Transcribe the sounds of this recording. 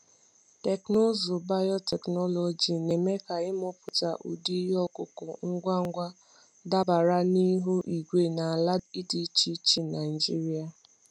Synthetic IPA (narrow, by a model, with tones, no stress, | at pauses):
te˨kno˦zʊ˨ba˦jɔ˦tɛ˨knɔ˦lɔ˨d͡ʒi˨ne˨me˦ka˨ɪ˦m˦ʊ˦pʊ˨ta˨ʔṵ˨di˦ɦɔ˦kʊ˨kɔ˨ŋ̩˦ɡʷa˦ŋ̩˦ɡʷa˦ | da˦ba˨ɾa˦ni˦ɦo˦ʔi˨ɡʷe˦na˨a˨la˦i˦di˨˦t͡ʃi˦t͡ʃi˦na˨i˨d͡ʒi˦ɾi˦a˨